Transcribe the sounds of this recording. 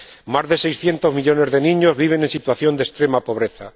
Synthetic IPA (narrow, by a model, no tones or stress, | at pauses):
mazðe̞sejsθje̞nt̪o̞zmiʎo̞ne̞zðe̞nĩɲo̞zβiβ̞e̞ne̞nsit̪waθjo̞nd̪e̞st̪ɾe̞mapo̞β̞ɾe̞θa